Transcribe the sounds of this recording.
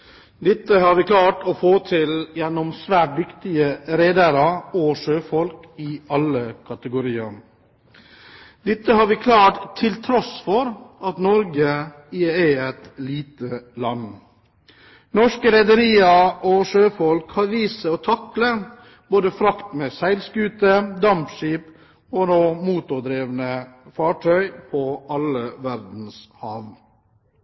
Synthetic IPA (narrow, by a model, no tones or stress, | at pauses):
d̪ɪt̪ːəhɑɾʋɪːkʰlɑːʈoːfoːt̪ʰɪljɛnɔmsʋæːʈ̚d̪ʏkt̪ɪəɾeːd̪əɾɑɔʂøːfɔlk | ɪɑləkʰɑt̪əɡʊɾiːɑ̰ | d̪ɪt̪ːəhɑɾʋɪkʰlɑːʈt̪ʰːɪlt̪ʰɾɔsfɔɾʔɑt̪nɔɾɡə | æɪɛt̪liːt̪əlɑn | nɔʂkəɾɛd̪əɾiːɑʔɔʂøːfɔlkhɑɾʋiːsəɔːt̪ʰɑklə | boːd̪əfɾɑkt̪meːsæɪlskʉːt̪əd̪ɑmpʃiːp | ɔnoːmuːt̪ʊd̪ɾeːʋnəfɑːʈʰœʏpʰɔʔɑləʋæɾd̪n̩shɑːʋ